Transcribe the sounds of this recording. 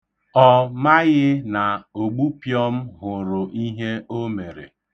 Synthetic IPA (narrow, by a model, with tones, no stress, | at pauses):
ɔ˦ma˦ɣɪ˦na˨o˨ɡ͡bu˦pjɔ˦m̩˦ɦʊ˨ɾʊ˨ʔi˦ɦe˦o˦me˨ɾḛ˨